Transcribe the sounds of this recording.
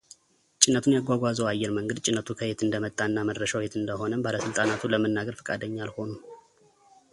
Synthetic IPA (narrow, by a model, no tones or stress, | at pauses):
t͡ʃʼɪnːət̪ʰunjaɡʷaɡʷazəwajːɛɾməŋɡəd̪t͡ʃʼɪnːət̪ʰukʰəhet̪ɨnd̪əmət̪ʼːaɨnːaməd̪ːəʃawhet̪ɨnd̪əho̞nəmbaləsɨlt̪ʼanat̪ʰuləmənːaɡəɾfə̥kʼa̰d̪əɲːalho̞nu